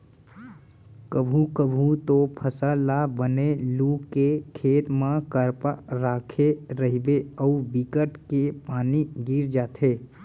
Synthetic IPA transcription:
kəbʱukəbʱut̪opʰəsəlabənelukːekʰet̪mə̃kəɾpaɾakʰeɾəɦibeəubikəʈkepaniɡiɾd͡ʒat̪ʰe

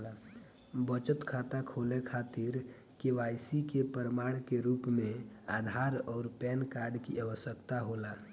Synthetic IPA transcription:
bət͡ʃət̪kʰat̪akʰolekʰaːt̪iɾ | keʋaːjsikepəɾəmaːɽ̃keɾuːpmẽaːd̪ʱaːɾɔːɾpɛːnkaːɾɖkiaʋəsjəkt̪aɦola

